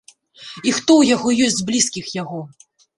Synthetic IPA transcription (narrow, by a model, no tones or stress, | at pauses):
ixt̪ɔwjaɣɔjɔsʲzblʲiskʲixjaɣɔ